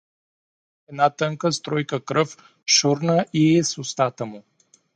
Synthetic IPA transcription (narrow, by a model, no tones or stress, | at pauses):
ɛd̪nat̪əŋkəst̪ɾɔjkəkɾəf | ʃuɾnaʔiɛsust̪at̪amu